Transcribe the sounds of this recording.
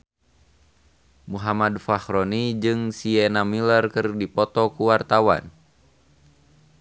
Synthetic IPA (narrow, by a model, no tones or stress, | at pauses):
muɦamadfahɾɔnid͡ʒɨŋsiɛnamilərkɨrdipɔt̪ɔkuwart̪awa̰n